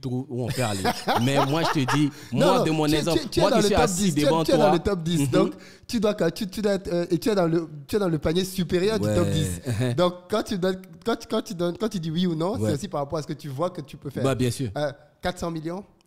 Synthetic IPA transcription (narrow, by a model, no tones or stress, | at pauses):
t̪uuɑ̰̃fɛʁa̰limɛmwaʒət̪əd̪i | mɔ̃wãdəmɔ̃nɛzɑ̃ɛt̪yɛad̪ɑ̃ləɔpd̪id̪eɑ̃t̪ɛd̪ɑ̃lət̪ɔp̚d̪isd̪ɔ̃k | t̪yd̪wakɔt̪yt̪yd̪waɛt̪χøʔet̪yɛd̪ɑ̃lət̪yɛd̪ɑ̃ləpanjesypeʁjœʁd̪yɛt̪ɔpd̪isd̪ɔ̃kːɑ̃t̪yd̪ɔnkɑ̃t̪kɑ̃t̪yd̪ɔ̃nkɑ̃t̪yd̪iwiunɔ̃ɛosipaʁapɔʁasə̥kət̪yvwakət̪ypøfɛːʁbabjɛ̃syːʁø | kat̪χsɑ̃miljɔ̃